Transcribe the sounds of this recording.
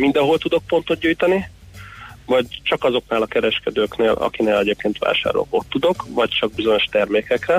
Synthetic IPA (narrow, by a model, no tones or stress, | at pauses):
mind̪ɒɦo̞lt̪ud̪o̞k̚po̞nt̪o̞t̪̚ɟuːjt̪ɒni | vɒɟt͡ʃɒkɒzo̞knaːlɒkɛɾɛʃkɛd̪øːkneːlɒ̰kineːlɛɟeːp̚keːnt̪ʋa̰ːʃa̰ːɾo̰ko̞t̪ːud̪o̞kvɒct͡ʃɒɡ̚bizo̞ɲo̞ʃt̪ɛrmeːkɛkrɛ